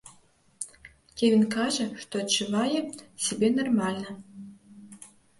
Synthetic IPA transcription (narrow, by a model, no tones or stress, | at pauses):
kʲevʲinkaʐɛʂt̪ɔɐt͡ʃːɨvajɛsʲebʲenɐrmɑlʲnɐ